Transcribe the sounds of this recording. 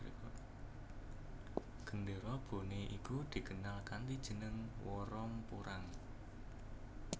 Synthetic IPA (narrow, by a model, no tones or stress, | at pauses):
ɡ̥ə̤ndeɾɔb̥o̤neʔikud̪̥i̤kənalkant̪id̥ʒ̥ə̤nəŋwɔɾɔmpuɾʔaŋ